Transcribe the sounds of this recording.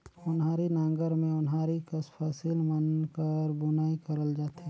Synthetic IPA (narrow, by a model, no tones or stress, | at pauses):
ʊnɦaːɾinãːŋɡəɾmẽʊnɦaːɾikɐspʰaːsiːlmənkəɾbʊnaːikɐɾəld͡ʒaːt̪e